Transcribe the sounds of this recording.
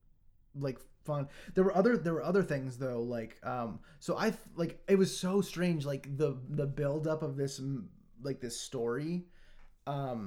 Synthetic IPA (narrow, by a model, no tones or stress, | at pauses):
laɪkfʌ̃nðə˞wə˞ʔʌðə˞ðə˞wə˞ʔʌðə˞θɪ̃ŋzðoʊlaɪkʌ̃msoʊʔaɪlaɪkɪt̚wʌz̥soʊstɹ̥ẽɪ̃nd͡ʒlaɪkðəðəbɪlˠdʌpʌvðɪs | laɪk̚ðɪstɔɹi | ʔʌ̃m